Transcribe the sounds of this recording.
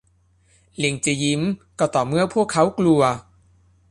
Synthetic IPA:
li˧˩ŋt͡ɕa˨˩ji˦˥mkɔː˧˩t̪ɔː˨˩mɯ˦˥˩əpʰu˥˩əkʰːa˦˥wklu˧ɐ

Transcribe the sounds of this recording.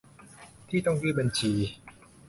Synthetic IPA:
t̪ʰiː˥˩t̪ɔ˥˩ŋjɯ˥˩ba˧nt͡ɕʰiː˧

